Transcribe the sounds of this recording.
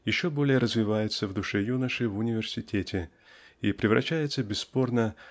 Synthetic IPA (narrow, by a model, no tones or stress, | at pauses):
jɪɕːo̞bo̞lʲɪjəɾəzvʲɪvajɪt̪səvd̪ʊʂɛjunəʂɨvʊnʲɪvʲɪrsʲɪtʲetʲɪ | ipɾʲɪvɾɐ̰ɕːæjɪt̪səbʲɪsːpo̞rnə